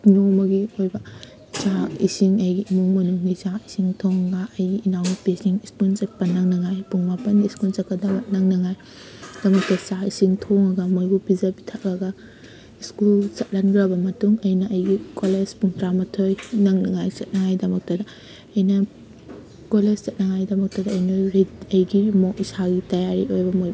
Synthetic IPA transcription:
nomɐɡiojbɐ | t͡ʃaisiŋɐjɡiimuŋmɐnuŋɡisaisiŋtʰoŋɐɡɐɐjɡiinawnipesiŋiskult͡ʃet̚pɐnɐŋnɐŋajpuŋmapɐniːskult͡ʃɐkɐdɐbɐnɐŋnɐŋaj | d̥ɐmɐk̚tɐsaisiŋtʰoŋɐɡɐmojbupizɐbi̥tʰak̚lɐɡɐ | iskult͡ʃɐt̚lanɡɾɐbɐmɐtuŋɐjnɐʔɐjɡikoled͡ʒpuŋtɾamɐtʰojnɐŋnɐŋajsɐt̚nɐŋajdɐmɐk̚tɐdɐː | jnɐ | koled͡ʒsɐt̚nɐŋajdɐmɐk̚tɐdɐːjnaɾidɐjɡimoisaɡitɐjaɾiojbɐmoj

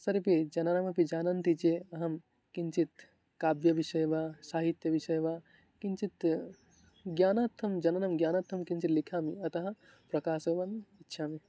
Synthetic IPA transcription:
sɐɾpid͡ʒɐnanɐmɐpid͡ʒaːnɐnt̪it͡ʃeɐɦɐm | kiɲt͡ʃit̪ | kaːbjɐʋiʃɐjbasaːɦit̪jɐʋiʃɐjbaː | kiɲt͡ʃit̪ | ɡjaːnat̪ʰːɐmd͡ʒɐnɐnɐmɡjaːnat̪ʰːɐmkĩɲt͡ʃit̪likʰaːmiɐt̪ɐɦɐ | pɾɐkaːsɐʋaːmitːʃʰaːme

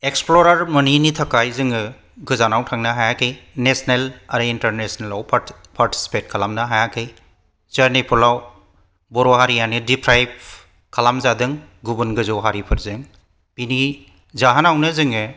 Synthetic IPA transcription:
eksploɾaɾmɐninitʰɐkajzɯŋɯ | ɡɯzanawtʰaŋnaɦajakʰejnesnelaɾɯintɐɾnesnelawpʰ | pʰaɾtʰi̥si̥pet̚kʰalamnaɦajakʰɯj | zɐɾnipʰulaw | bɔɾɔɦaɾijanidipʰɾajb̚ | kʰalamzadɯŋ | ɡubunɡɯzɔwɦaɾipʰɯɾzɯŋ | pini | zaɦanawnɯzɯŋɯ

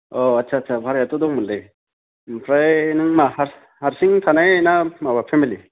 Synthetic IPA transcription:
oatːt͡ʃʰaːtsʰabʱaɾejat̪ɔd̪ɔŋmunlɯj | pʰɾajnɯŋmahaɾ | haɾsiŋt̪ʰanajnamabapʰemili

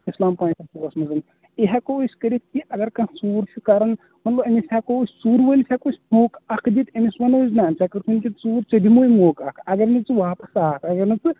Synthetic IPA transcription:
islaːmpãːnsʰɐpoɐsmɐzɐn | eɦakoosʲkəɾit̪̚ʰkiʔɐɡɐɾkãsuːɾt͡ʃʰikaɾɐn | mɐt̪lɐbɐmisʲakoosʲsuːɾʋolsʰʲakosʲmoːkʰɐkʰd̪it̪ɐmiswɐnoːznaːnt͡ʃakɐɾt̪ʰunkʲint͡suːɾt͡ʃɐd̪imoːjmoːkɐkʰɐɡɐɾnit͡sɨʋaːpɐsaːkʰɐɡɐɾnɨt͡sɨ

